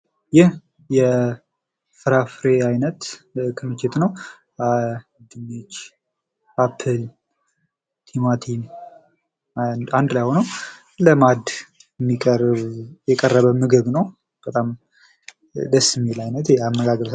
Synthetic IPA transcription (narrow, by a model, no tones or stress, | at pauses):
jɪh | jɛ | fɨɾafɾeajnət̪kʰɨmɨt͡ʃːɪt̪nəw | d̪ɨmet͡ʃ | apʰːɨl | t̪ʰimat̪ʰin | and̪lajhonəw | ləmad̪ | mːikʼəjɛkʼərːəβəmɨɡɨβnəw | b̥ət̪ʼam | d̪əsːmelajnət̪jɛamːəɡaɡəlsə